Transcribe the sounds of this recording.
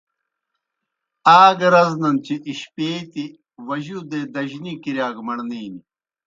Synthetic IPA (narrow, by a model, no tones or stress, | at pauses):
aːɡɐɾɐznɐnt͡ɕiʔiɕpeːt̪i | ʋɐʑuːd̪ed̪ɐʑnikiɾjaːɡmɐɳniːni